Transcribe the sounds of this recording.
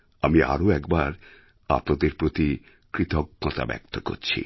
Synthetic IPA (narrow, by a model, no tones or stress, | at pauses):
amia̰ɾoɛkbaɾ | a̰pnad̪eɾpɾot̪i | kɾit̪ɔkːɔt̪a̰bɛ̰k̚t̪ʰoko̰ɾt͡ɕʰḭ